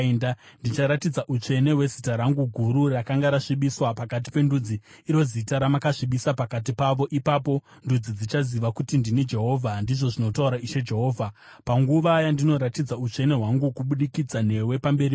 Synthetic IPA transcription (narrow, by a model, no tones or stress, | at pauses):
ndandit͡ʃaɾatid͡zaʔut͡ʃe̞ne̞we̞zitaɾaŋɡuɡʱuɾurakaŋɡaɾaʂiɓiswapakat̬i̥pe̞ndud͡ziː | ɾo̞zitaɾamakaʂiɓisapakat̬ipaʋo̞ʔipapo̞ | ndud͡zid͡zit͡ʃaziʋakutindinid͡ʒe̞ɦo̞ːvʱandiʐo̞ʐino̞tauɾaiʃe̞d͡ʒe̞ɦo̞ːvʱapaŋɡuʋajandino̞ɾatid͡zaut͡ʂe̞ne̞ɦwaŋɡukuɓuɗikid͡zane̞we̞pambe̞ɾi